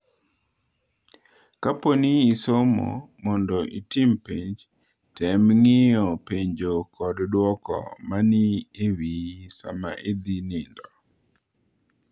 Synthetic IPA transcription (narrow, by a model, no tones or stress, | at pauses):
kaponiisomo̰ | mɔndɔʔitimpiɲd͡ʒ | tɛmŋɪjɔpeɲd͡ʒokʰɔddwɔkɔ̰manɪewisa̰ma̰ʔed̪inɪndɔ